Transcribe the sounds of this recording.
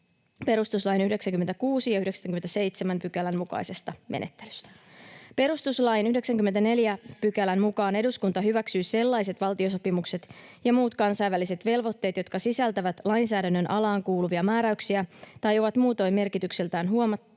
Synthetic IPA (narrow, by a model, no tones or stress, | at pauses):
pe̞ɾust̪uslɑːjnyhde̞ksæŋkymet̪ækuːsijɑyhdeksæŋk̟yment̪æse̞jt̪semæmpykælæmmukɑ̰jse̞st̪ɑmḛnʔe̞t̪ːe̥ly̥st̪æ̥pe̞ɾust̪uslɑjinyhde̞ksæŋkyme̞nt̪æne̞ljæpykælænmukɑːne̞duskunt̪ɑɦyʋæksyːse̞lːɑjse̞t̪ʋɑlt̪io̞s̬o̞pimukse̞t̪jɑmuːt̪kɑnsɑjʋːælise̞t̪ʋe̞lʋo̞t̪ːe̞ːt̪jo̞t̪kɑsisælt̪æʋæt̪lɑjnsæːdænːønʔɑlɑːŋkuːluʋiɑmæːɾæyksiæt̪ɑjo̞ʋɑt̪muːt̪o̞jme̞rkit̪ykselt̪æːnɦuomɑt̪ː